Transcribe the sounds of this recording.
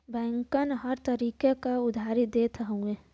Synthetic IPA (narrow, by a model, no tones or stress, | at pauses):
bɛ̃ːŋkənɦəɾt̪əɾiːkekaʊd̪ʱaːɾid̪et̪ʰəɦõe